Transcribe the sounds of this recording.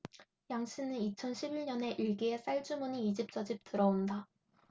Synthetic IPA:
jaŋɕʰinɯnit͡ɕʰʌnɕʰibiɭɲʌne̞ʔiɭɡie̞s͈aɭd͡ʑumuɲiːd͡ʑip̚t͡ɕ͈ʌd͡ʑip̚t͈ɯɾʌunda

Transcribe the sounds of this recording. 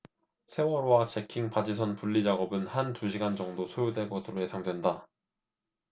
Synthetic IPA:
sʰe̞wʌɾwat͡ɕe̞kʰiŋpad͡ʑisʰʌnpuʎːid͡ʑaɡʌbɯnhantuɕʰiɡand͡ʑʌŋdosʰojudwe̞ɭkɡʌsʰɯɾoje̞sʰaŋdwe̞nda

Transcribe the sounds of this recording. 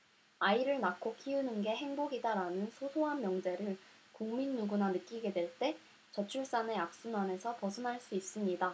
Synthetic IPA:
aiɾɯɭnakʰokʰiunɯnɡe̞ɦe̞ŋboɡidaɾanɯnsʰosʰoɦanmjʌŋd͡ʑe̞ɾɯɭ | kuŋminːuɡunanɯk͈iɡe̞dwe̞ɭt͈e̞ | t͡ɕʌt͡ɕʰuɭs͈ane̞ak̚s͈unane̞sʰʌpʌsʰɯnɦaɭs͈uis͈ɯmɲida

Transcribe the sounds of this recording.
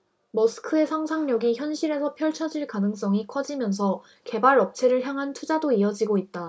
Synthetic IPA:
mʌsʰɯ̥kʰɯe̞sʰaŋsʰaŋɲʌɡiçjʌnɕʰiɾe̞sʰʌpʰjʌɭt͡ɕʰʌd͡ʑiɭkanɯŋs͈ʌŋikʰʌd͡ʑimjʌns̬ʰʌ | ke̞baɾʌp̚t͡ɕʰe̞ɾɯɭçjaŋɦantʰud͡ʑadoiʌd͡ʑiɡoit̚t͈a

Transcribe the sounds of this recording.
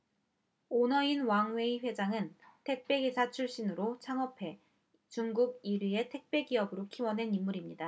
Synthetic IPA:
onʌinwaŋwe̞iɸwe̞d͡ʑaŋɯntʰe̞k̚p͈e̞ɡisʰat͡ɕʰuɭɕ͈inɯɾot͡ɕʰaŋʌpʰe̞ | t͡ɕuŋɡuɡiɾɥie̞tʰe̞k̚p͈e̞ɡiɦʌbɯɾokʰiwʌnɦe̞nimːuɾimɲida

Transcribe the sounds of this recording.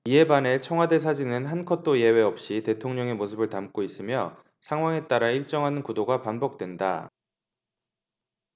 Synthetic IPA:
ie̞banet͡ɕʰʌŋwade̞s̬ʰad͡ʑinɯnɦankʰʌt͈oje̞we̞ʌp̚ɕ͈ite̞tʰoŋɲʌŋe̞mosʰɯbɯɭtamk͈ois͈ɯmjʌ | sʰaŋɦwaŋe̞t͈aɾaiɭt͡ɕ͈ʌŋɦanɯnkudoɡapanbʌk̚t͈we̞nda̰

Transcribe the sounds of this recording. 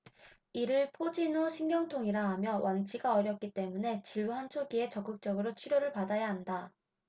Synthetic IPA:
iɾɯɭpʰod͡ʑinoɕʰiŋɡjʌŋtʰoŋiɾaɦamjʌwʔant͡ɕʰiɡaʌɾjʌk̚k͈it͈e̞mune̞t͡ɕiɭɡuɦant͡ɕʰoɡie̞t͡ɕʌk͈ɯk̚t͡ɕ͈ʌɡɯɾot͡ɕʰuɾjoɾɯɭpadajaɦanda

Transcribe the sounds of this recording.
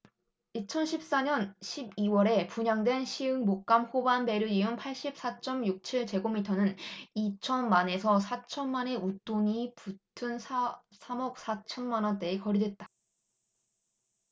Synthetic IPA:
it͡ɕʰʌnɕʰip̚s͈aɲʌnɕʰibiwʌɾe̞puɲaŋdwe̞nɕʰiɯŋmok̚k͈amhobanbe̞ɾɯiɯnpʰaɭɕ͈ip̚s͈at͡ɕ͈ʌmjuk̚t͡ɕʰiɭt͡ɕe̞ɡomitʰʌnɯnit͡ɕʰʌnmane̞sʰʌsʰat͡ɕʰʌnmane̞ut͈oɲiputʰɯnssʰamʌk̚s͈ʰat͡ɕʰʌnmanʌnt͈e̞ːkʌɾidwe̞t̚t͈ḁ

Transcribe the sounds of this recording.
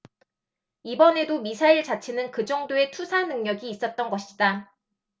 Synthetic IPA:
ibʌne̞domisʰaiɭt͡ɕat͡ɕʰenɯnkɯd͡ʑʌŋdoe̞tʰusʰanɯŋɲʌɡiːs͈ʌt̚t͈ʌnɡʌɕʰi̥d̥a

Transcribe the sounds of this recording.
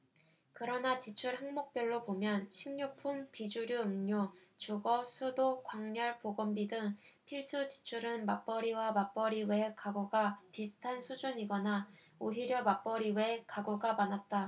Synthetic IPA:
kɯɾʌnat͡ɕit͡ɕʰuɭhaŋmok̚p͈jʌɭːobomjʌnɕʰiŋɲupʰumpid͡ʑuɾjuɯmɲot͡ɕuɡʌsʰudokwaŋɲʌɭpoɡʌmbidɯŋ | pʰiɭs͈ut͡ɕi̥t͡ɕʰuɾɯnmap͈ʌɾiwamap͈ʌɾiwe̞kaɡoɡapisʰɯ̥tʰansʰud͡ʑuɲiɡʌna | oɦiɾjʌmap͈ʌɾiwe̞kaɡoɡamanat̚t͈a

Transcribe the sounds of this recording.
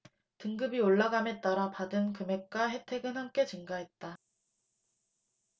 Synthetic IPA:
tɯŋɡɯbioɭːaɡame̞t͈aɾapadɯnkɯme̞k̚k͈aɦe̞tʰe̞ɡɯnhamk͈e̞t͡ɕɯŋɡaɦet̚t͈a

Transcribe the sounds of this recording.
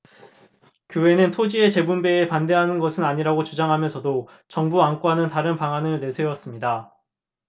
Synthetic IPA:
kjoɦe̞nɯntʰod͡ʑie̞t͡ɕe̞bunbe̞ːpande̞ɦanɯnɡʌsʰɯnaɲiɾaɡot͡ɕud͡ʑaŋɦamjʌnsʰʌdo | t͡ɕʌŋbuaŋk͈wanɯntaɾɯnpaŋɦanɯɭnesʰe̞ʌs͈ɯmɲida

